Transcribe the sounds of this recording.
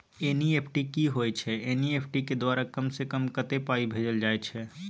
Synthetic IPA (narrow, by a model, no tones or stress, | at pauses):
eːnieːpʰʈikiɦojt͡ʃʰɛeːniepʰʈiked̪waːɾakəmsekəmkət̪epaːibʱeːd͡ʒəld͡ʒaːet͡ʃʰɛ